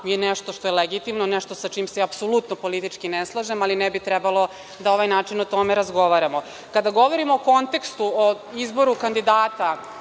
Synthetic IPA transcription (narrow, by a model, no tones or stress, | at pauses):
jeneʃt̪o̞ʃt̪ojeleɡit̪imnoneʂt̪o̞sat͡ʃiːmseapsolut̪nopo̞lit̪it͡ʃkineslˠaʒemalinɛbit̪ɾɛbalˠo̞ | d̪ao̞ʋajnaːt͡ʂinot̪o̞meɾazɡo̞ʋaɾamo | kad̪aɡo̞ʋo̞ɾimoːko̞nt̪ekst̪uo | izbo̞ɾukand̪id̪aːt̪a